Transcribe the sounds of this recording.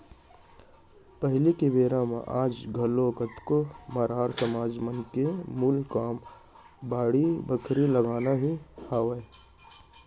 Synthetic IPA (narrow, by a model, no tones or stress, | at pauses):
pəɦlikebeːɾamã̰ʔaːd͡ʒɡʱɐlokət̪komaːɾaːɾsəmaːd͡ʒmənkemulkaːm | baːɽibəkʰɾiləɡaːnaɦihaːʋe